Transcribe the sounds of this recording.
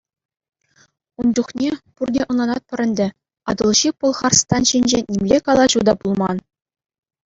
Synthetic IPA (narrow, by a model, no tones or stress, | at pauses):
unduχnʲepurdʲeʔɤ̆nlˠɑnɑt̪̚pʲɘ̆ɾʲɘ̆nʲdʲɘ̆ | ɑ̰d̪ɤ̆lˠʑipɤ̆lˠχɑrst̪ɑnɕinʲd͡ʑenʲimlʲekɑlˠɑʑud̪ɑpulˠmɑn